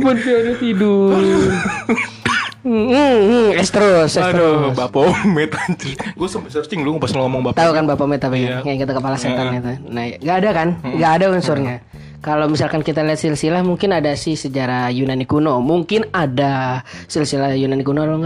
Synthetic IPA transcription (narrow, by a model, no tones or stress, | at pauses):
pʊnpioɲat̪idu | ɛst̪ɾosɛobapamɛt̪̚at̪iɡuasəmpsɾsɪŋluŋpasŋŋɔmɔŋbat̪aukanbapamɛt̪apiakat̪akəpalaset̪anit̪unahjaŋɡaːdakanɡaːdaunsurɲa | kalowmisalkankit̪aliɦat̪silsilahmuŋkɪnadasɪhsəd͡ʒaɾajunanikunomuŋkɪnadasilsilahjunanikunoloŋa